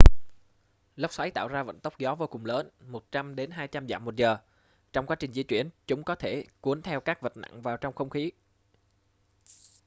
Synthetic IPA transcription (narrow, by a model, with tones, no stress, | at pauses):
lə˦˥k͡p̚sa˨˦jt̪a̰ː˧˨wzaː˧və̰˧˨nt̪ə˦˥k͡p̚zɔ˨˦vo˧kʊ˨˩ŋ͡mləː˨˦nmo˨˩t̚t͡ɕa˧mɗe˨˦nɦaː˧jt͡ɕa˧mzaː˧˨mːo˨˩t̚zəː˨˩ | t͡ɕɔ˧wŋ͡mkwaː˨˦t͡ɕï˨˩ŋ̟zḭ˧ət͡ɕwi˧˩ənt͡ɕʊ˨˦ŋ͡mkɔ˨˦t̪ʰe˧˩ku˨˦ənt̪ʰɛ˧wkaː˦˥k̚və˨˩t̚na̰˧˨ŋvaː˨˩wt͡ɕɔ˧wŋ͡mxə˧wŋ͡mxi˨˦